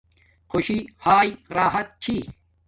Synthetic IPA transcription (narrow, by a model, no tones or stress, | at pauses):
xoɕihaːjiɾaːɦɐt̪̚t͡ɕʰiː